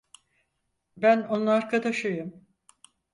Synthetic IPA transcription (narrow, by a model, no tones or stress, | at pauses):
bæno̞nunaɾkʰad̪aʃɯjɯm